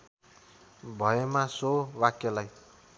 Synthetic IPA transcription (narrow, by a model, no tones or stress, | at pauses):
bʱʌjemasowakjalaj